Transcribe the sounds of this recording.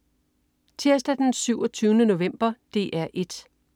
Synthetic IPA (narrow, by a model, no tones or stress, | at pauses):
t͡sʰiɐs̬d̥æd̥ensyʊɒt͡sʰyːʊnəno̝ʋem̰b̥ɐd̥e̝ːʔæɐ̰ʔe̝d̥